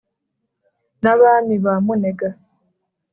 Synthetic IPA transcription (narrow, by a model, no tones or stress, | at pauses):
naβaːmiβamuneɡa